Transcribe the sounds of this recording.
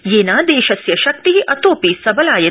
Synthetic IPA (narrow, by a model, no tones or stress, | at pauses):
jeːnaːd̪eːʃɐsjɐʃɐk̚t̪iɦiʔɐt̪oːpisɐbɐlaːjɐ